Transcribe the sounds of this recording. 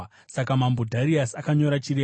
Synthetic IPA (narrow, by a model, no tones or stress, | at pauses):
sakamambudʱaɾiasakaɲo̞ɾat͡ʃiɾe